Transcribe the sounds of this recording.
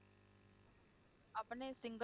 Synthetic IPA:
ɐpɳesɪŋɡ

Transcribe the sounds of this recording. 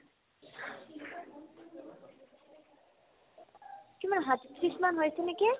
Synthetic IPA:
kimanɦat̪it̪ɾismanɦojseneke

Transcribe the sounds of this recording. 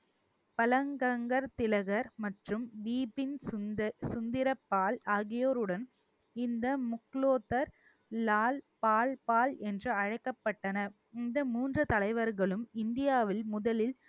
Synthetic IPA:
pɐlɐŋɡɐŋɡɐɾt̪ɪlɐɣɐɾmɐʈrɯmʋiːpɪn | sʊnd̪ɪɾɐpːaːlaːɣɪjoːɾɯɽɐn | ɪnd̪ɐmʊkloːt̪ːɐɾ | laːlpaːlpaːlɛndrɯɐɻɐɪkːɐpːɐʈːɐnɐ | ɪnd̪ɐmuːndrɐt̪ɐlɐɪʋɐɾɣɐɭɯmɪnd̪ɪjaːʋɪlmʊðɐlɪl

